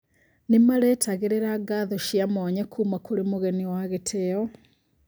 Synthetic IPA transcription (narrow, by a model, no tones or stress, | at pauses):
nimaɾetaɣeɾeɾaɡaðɔʃjamoːɲekʰuːmakuɾimuɣeniwaɣetʰeːɔ